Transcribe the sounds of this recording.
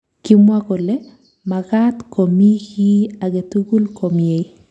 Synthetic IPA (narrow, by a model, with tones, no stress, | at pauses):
ki˦mwakɔ˨le˦ | makatko˨mi˦ki˦aɡe˨tuɡu˦lko˨mje˨i